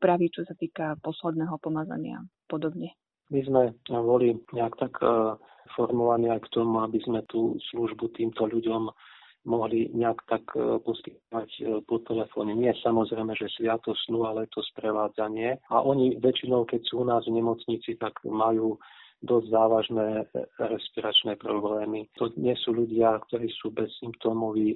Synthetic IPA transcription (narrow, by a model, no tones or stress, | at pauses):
pɾaʋit͡ʃɔsat̪iːkapɔslɛd̪nɛːɦɔpɔmad͡za̰ɲɪa̰pɔd̪ɔbɲɛ | mizmɛbɔliɲɛakt̪ak | fɔɾmɔʋaniajkt̪ɔmuabizmɛt̪uːsluʒbut̪iːmt̪ɔʎuɟɔm | mɔɦliɲɛakt̪akpɔskit̪̚ɔʋacpɔt̪ɛlɛfɔːɲɛɲɪɛsamɔzɾɛjmɛʒɛsʋɪat̪ɔsnualɛɛt̪ʰɔspɾɛʋaːd͡zaɲɪɛaʔɔɲiʋɛt͡ʃinɔʊkɛcsuːunaːzvɲɛmɔt͡sɲiːt͡sit̪aɡmajuːd̪ɔzzaːʋaʒnɛːɾɛspiɾat͡ʃnɛpɾɔblɛːmit̪ɔɲɪɛsuːʎuɟɪakt̪ɔɾiːsuːbɛsːimpt̪ɔːmɔʋiː